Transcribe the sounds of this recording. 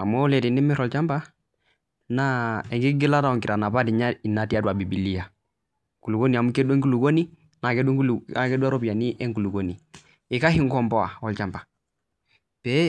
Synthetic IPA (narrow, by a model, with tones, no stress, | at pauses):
a̰˨mo˦le˨ti˨ni˦mi˦ɾɔ˨lt͡ʃa˦mpa˦ | na˦ɛ˨ŋɡi˦ɡi˦la˦ta˨ɔ˨ŋki˨ɾa˨na˨pa˦di˨ɲa˦i˨nːa˨ti˦a˦dwa˨bi˨bi˨li˦a˨ | ku˨lu˨ɡo˦ni˨a˨mu˦ke˦de˦ŋku˦lu˨ɡo˦ni˦ | na˨kɛ˦dla˨kɛ˦du˦a˦ɾo˦pi˨a˨ni˦ʔɛ˦ŋku˨lu˨ɡo˨ni˨ | i˨ka˦hi˦ŋkɔ˨mpɔ˦a̰˨ɔ˨lt͡ʃa˨mpḁ˨ | pɛ˦